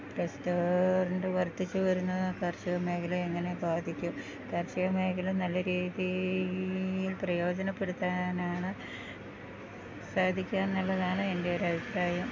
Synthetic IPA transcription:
prestorunɖɨʋɐrt̪ːit͡ɕːɨʋɐɾunːɐðkɐrɕɐɣɐme̞ːkɐleeŋːɐne̞bʱaːd̪ʱikʲːum | kɐrɕɐjɐme̞ːkɐlɐmnɐlːɐɾiːði | jilprɐjo̞ːd͡ʑɐnɐpːe̞ɽut̪ːaːnaːɳɨ | saːd̪ʱikʲːaːnnɐɭːɐðaːɳɨe̞nde̞joɾɐbʱipraːjɐm

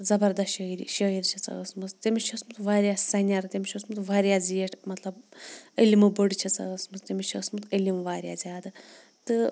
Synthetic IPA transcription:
zɐbɐɾd̪ɐʃiɾʃəiɾt͡ʃʰɐt͡sɐ̰əsmɨst̪imit͡ʃʰɐsmɨt̪ʰʋaːɾijassɐnʲaɾɨt̪ʲemʲiʃɐsmut̪ʋaːɾijaːzieʈʰmɐt̪lɐbəlimɨboɽit͡ʃʰɐt͡sɐ̰əsmɨst̪imʲit͡ʃʰɐsmɨt̪əlʲimʋaːɾʲja̰ːzʲaːd̪ɨ | t̪ɨ

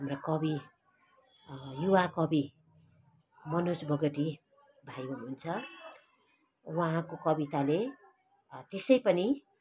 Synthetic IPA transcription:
amrakʌbi | juwakʌbi | mʌnusbʌɡʌʈi | bʱajoɦunt͡sʰʌ | waɦãkokʌbit̪ale | t̪esʌjpʌni

